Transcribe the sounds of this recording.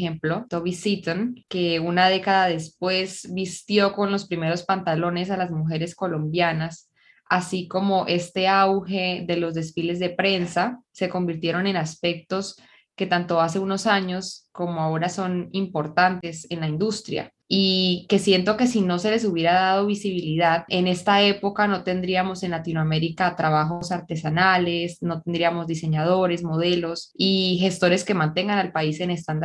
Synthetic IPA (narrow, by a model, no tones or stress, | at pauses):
emplot̪oβisit̪onke̞unaðe̞kaðaðe̞spwe̞zbist̪jo̞ko̞nlo̞spɾime̞ɾo̞spant̪alo̞ne̞s̬alazmuxe̞ɾe̞sko̞lõ̞mbjanas | asiko̞mo̞ʔe̞st̪e̞awxe̞ðe̞lo̞zd̪e̞sfile̞zðe̞pɾe̞nsase̞ko̞mbiɾt̪je̞ɾo̞ne̞naspe̞k̚t̪o̞s | ke̞t̪ant̪o̞ase̞uno̞saɲo̞sko̞mo̞ao̞ɾaso̞nimpo̞ɾt̪ant̪e̞se̞nlaind̪ust̪ɾja̰ | ike̞sje̞nt̪o̞ke̞sino̞se̞le̞s̬uβje̞ɾaðað̞o̞βisiβ̞iliðaðe̞ne̞st̪ae̞po̞kano̞t̪e̞nd̪ɾiamo̞se̞nlat̪inoame̞ɾikat̪ɾaβaxosaɾt̪e̞sanale̞sno̞t̪end̪ɾiamo̞zd̪ise̞ɲað̞o̞ɾe̞smo̞ð̞e̞lo̞sixe̞st̪oɾe̞ske̞mãnt̪e̞ŋɡanalpaise̞ne̞st̪and̪a